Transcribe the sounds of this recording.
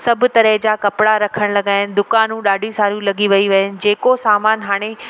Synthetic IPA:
sɐbʱʊ̆t̪ɐɾəɦd͡ʑaːkɐpɪɽaɾɐkʰəɽ̃lɐɡaːɪnɪ̆d̪ʊkaːnũɗaːɖʱijũsaːɾjũlɐɡiʋɐiʋɐɦɪnɪ̆d͡ʑeːkosaːmaːnɦaːɽ̃e

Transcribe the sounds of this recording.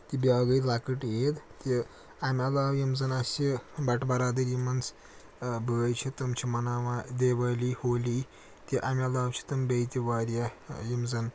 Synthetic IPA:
t̪ibʲjaːɡɐjlakəʈjeːd̪t̪ʲi | amʲɐlaːwjimzɐnɐsibɐʈbɐɾaːd̪əɾjimɐns | bəːɐjt͡ʃʰit̪ɐmt͡ʃʰimɐnaːʋad̪eːʋaːlihoːli | t̪ʲiʔamʲɐlaːwt͡ʃʰi̥t̪ɐmbʲɐjt̪ʲiʋaːɾʲjajimzɐn

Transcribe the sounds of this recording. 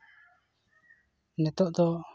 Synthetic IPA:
nɛt̪ɔʔd̪ɔ

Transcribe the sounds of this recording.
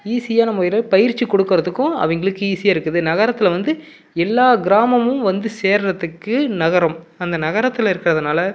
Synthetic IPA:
iːsɪjaːnɐmːɐɪɾɐpɐjɪɾt͡ʃːikɔɽɯkːɪɾɐðɯkːʊ̃ɐ̰ʋɐŋɡɐɭɯkːɯiːsɪjaːɪɾɯkːɯðɯnɐɣɐɾɐt̪ːɪlɐʋɐnd̪ɯ | ɛlːaːɡɪɾaːmɐmɯ̃mʋɐnd̪ɯseːɾɾɐðɯkːɯnɐɣɐɾɐmɐnd̪ɐnɐɣɐɾɐt̪ːɪlɪɾɯkːɪɾɐðɯnaːlɐ

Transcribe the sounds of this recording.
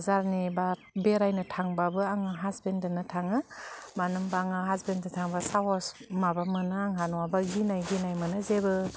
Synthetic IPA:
zaɾniba | beɾajnɯtʰaŋbabɯaŋaɦazbendɯnɯtʰaŋɯmanɯmbaaŋaɦazbendɯtʰaŋbasaɦɔsmabamɯnɯaŋɦanɔwabaɡinajɡinajmɯnɯzebɯ

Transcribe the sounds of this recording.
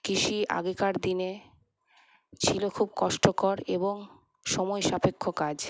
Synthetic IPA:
kiʃiʔa̰ɡekaɾd̪ine | t͡ɕʰilokʰubkɔʃʈokɔɾeboŋ | ʃɔmɔjʃapekʰːokad͡ʑ

